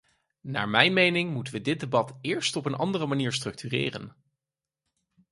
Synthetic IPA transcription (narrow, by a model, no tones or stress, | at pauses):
na̰ːɹmɛjnmejnɪŋmutəʋədɪd̚debɑtɪːɹstɔpənʔɑ̰ndərəmaniːɹstrɵk̚tyrɪ̰ːrə̰n